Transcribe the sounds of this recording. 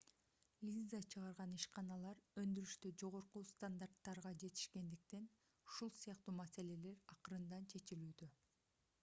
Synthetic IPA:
lʲizat͡ʃʰɯʁɑɾʁɑniʃqɑnɑlˠɑɾø̞nd̪yɾyʃt̪ød͡ʒo̞ʁo̞ɾqust̪and̪art̪ːɑɾʁɑd͡ʒe̞t̪i̥ʃke̞nd̪ik̚t̪e̞n | uʃulˠsijɑq̚t̪uːmase̞le̞le̞ɾɑqɯɾɯnd̪ɑnt͡ʃʰe̞t͡ʃilyːd̪ø

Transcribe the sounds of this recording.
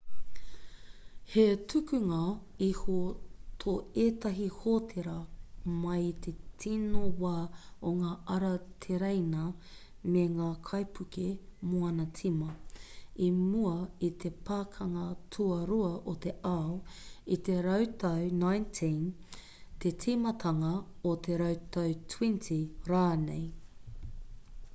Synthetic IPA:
hetʰʉkʉŋɐ | ihot̪ʰoeːt̪ɐɦihoːt̪ʰeɾɐmɐjt̪ʰe̞tʰinowaːoŋaːʔɐɾɐt̪ʰeɾejnɐ | meŋaːkʰɐjpʰʉkemoɐnɐt͡sʰimɐimuɐit̪ʰe̞pʰaːkʰɐŋɐtʰuɐɾuɐʔot̪e̞ʔaoit̪eɾɐwt̪ʰɐwnajntʰin | t̪ʰe̞tʰimɐt̪ʰɐŋɐot̪ʰe̞ɾɐwt̪ʰɐwtʰwintʰiɾaːnḛj

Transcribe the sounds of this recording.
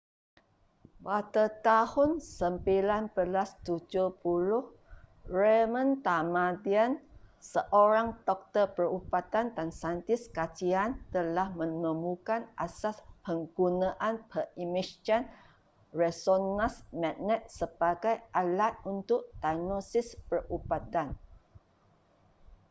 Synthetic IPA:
wat̪ət̪ahʊnsəmpilanbəlast̪ud͡ʒupulʊh | remə̃nt̪amãdiansəʔoɾaŋd̪ɔk̚t̪əpərupat̪andansant̪ɪskat͡ʃiant̪əlahmə̃nə̃mukanʔasaspəŋɡunãʔanpʰəimist͡ʃan | rɛsonãsmɛ̃ʔnɛt̪̚səb̥aɡajʔalat̪̚unt̪ʊʔ̚d̥anosɪspərubat̪an

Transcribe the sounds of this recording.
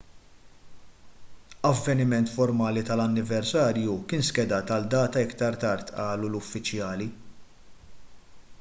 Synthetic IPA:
ɐvːɛnɪmɛnt̪fɔɾmɐːlit̪ɐlɐnːɪvɛɾsɐːɾjukɪːnskɛd̪ɐːt̪ɐld̪ɐːt̪ɐɪkt̪ɐɾt̪ɐɾt̪ʔɐːlulʊfːɪt͡ʃjɐːli

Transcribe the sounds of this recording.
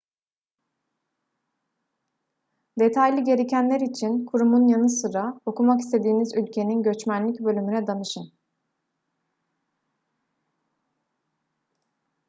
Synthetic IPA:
d̪e̞t̪ʰajlʲiɟe̞ɾe̞cʰænlʲeɾit͡ʃʰinkʰuɾumunjanɯsɯɾao̞kumaki̥st̪ʰe̞d̪iːmizylʲcʰe̞ninɟø̞t͡ʃmænlʲicbø̞lʲymynɛd̪anɯʃɯn

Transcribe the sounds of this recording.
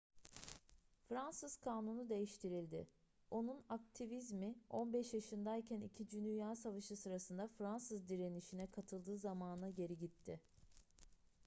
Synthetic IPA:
fɾansɯz̥kʰaːnunud̪e̞jiʃt̪ʰiɾilʲd̪ɪ | o̞nunak̚t̪ʰivizmɪo̞nbɛʃjaʃɯnd̪ajcʰænicʰid͡ʒynyjaːsavaʃɯsɯɾasɯnd̪afɾansɯzd̪iɾe̞niʃinɛkʰat̪ʰɯlˠd̪ɯːzamaːnɯnaɟe̞ɾiɟit̪ʰːɪ

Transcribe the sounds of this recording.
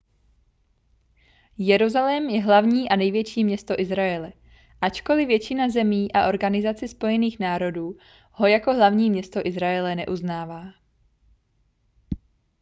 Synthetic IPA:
jɛɾuzalɛmjɛɦlavɲiːʔanɛjvjɛt͡ʃiːmɲɛst̪o̞ʔɪzɾajɛlɛ | ʔat͡ʃko̞lɪvjɛt͡ʃɪnazɛmiːʔaʔo̞ɾɡanɪzat͡sɪspo̞jɛniːxnaːɾo̞duː | ho̞jako̞ɦlavɲiːmɲɛst̪o̞ʔɪzɾajɛlɛnɛ̰ʔuznaːvaː

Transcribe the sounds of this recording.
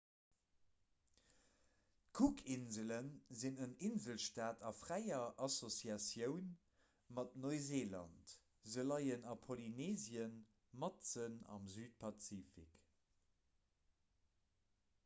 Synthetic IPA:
kʰukʰinzələnzinəninzəlʃtaːtʰɑfʁæɪɐʔɑsosjɑsjəʊn | mɑt̚noɪzeːlɑ̰nt | zəlɑɪənɑpʰolineːzjən | mɑtt͡sənɑ̰mzyːt̚pʰɑt͡siːfḭk

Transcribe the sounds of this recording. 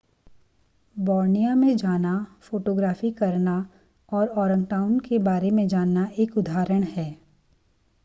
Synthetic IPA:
bɔːɾnijamẽd͡ʒaːnafoːʈoːɡɾaːfikɐɾna | ɔːɾɔːɾə̃ŋɡʈaːʊnkebaːɾemẽd͡ʒaːnːaʔeːkʊd̪ʱaːɾəɽ̃ɦɛː

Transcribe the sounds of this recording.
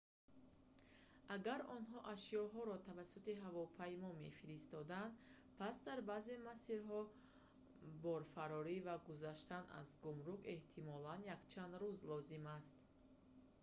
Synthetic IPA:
ʔaɡaɾɔnɦɔʔaʃijɔɦɔɾɔt̪ʰavasut̪iɦavɔpʰajmɔme̞̰fiɾist̪ɔd̪and̪ | pʰasd̪aɾbaze̞masiɾɦɔ | bɔɾfaɾɔɾivaɡuzaʃt̪ana̰zɡumɾuɡe̞ht̪ʰimɔlanjakt͡ʃʰand̪ɾuzlɔzimast̪

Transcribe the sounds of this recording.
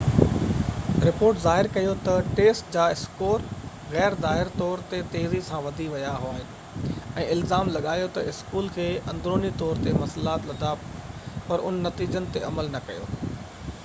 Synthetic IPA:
ɾɪpoːɾʈzaːɦɪɾkɐjot̪ɐʈeːsʈd͡ʑaːɪskoːɾ | ɣɛːɾzaːɦɪɾt̪ɔːɾt̪et̪eːzisãʋɐd̪ʱiʋɐjaɦʊaːɦɪnɪ̆ | ɛ̃ːɪlzaːmlɐɠaːjot̪ɐɪskuːlkʰeːɐ̃nd̪ɾoːnit̪ɔːɾt̪emɐslaːt̪lɐd̪ʱapɐɾʊ̰nːɐt̪iːd͡ʑənɪ̆t̪eɐməlnɐkɐ̰jo̰ː

